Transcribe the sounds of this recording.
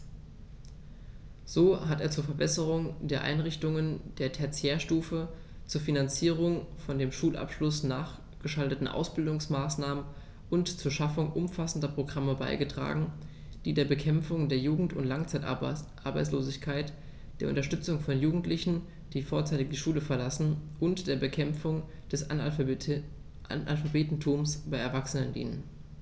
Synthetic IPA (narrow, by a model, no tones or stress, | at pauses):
z̥oːɦateːɐt͡suːɐfɛɐbɛsəʁ̞ʊŋdeːɐʔa̰ɪnʁɪçtʊŋənd̥eːɐtʰɛɐt͡sjeːɐʃtuːfə | t͡suːɐfinant͡siːʁ̞ʊŋfɔndeːmʃuːlʔa̰pʃlʊsnaːχ | ɡ̥əʃaltətn̩ʔa̰ʊsb̥ɪldʊŋsmaːsnaːmən | ʔʊntt͡suːɐʃafʊŋʔʊmfasn̩dɐpʁ̥oɡʁaməba̰ɪɡətʁ̥a̰ːɡŋ̩ | d̥iːdeːɐbəkʰɛmfʊŋdeːɐjuːɡŋ̩tʊntlaŋt͡saɪtʔa̰ɐba̰ɪt͡sloːzɪçkʰaɪt | d̥eːɐʔʊ̰ntɐʃtʏt͡sʊŋfɔnjuːɡŋ̩tlɪçn̩ | d̥iːfoːɐt͡saɪtɪk̚d̥iːʃuːləfɛɐlasn̩ʔʊntd̥eːɐbəkʰɛmfʊŋ | d̥ɛs | ʔʔa̰lfabeːtn̩tʰuːmsb̥aɪɛɐvaksənəndḭːnən